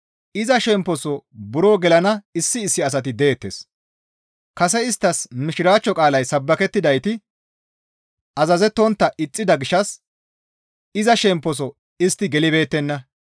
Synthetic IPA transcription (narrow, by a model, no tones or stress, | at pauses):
ʔɪzɐʃɛmpːɔsɔbʊɾoːɡɛlɐnɐɪsːɪːsːɪɐs̬ɐt̪ɪd̪eːt̪ːes | kɐsɛɪst̪ːɐsmɪʃɪɾaːt͡ʃːɔkʼaːlɐjsɐbːɐkɛt̪ːɪd̪ɐjt̪ɪ | ʔɐzɐzɛt̪ːɔnt̪ːɐʔɪt͡sʼːɪd̪ɐɡɪʃːɐs | ɪzɐʃɛmpːɔs̬ɔ | ɪst̪ːɪɡɛlɪbe̞ːt̪ːɛnːɐ